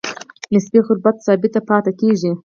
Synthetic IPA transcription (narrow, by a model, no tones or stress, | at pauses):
nɪsbiːxʊɾbɐt̪saːbit̪ɐpʰɑːt̪ɐkeːʒi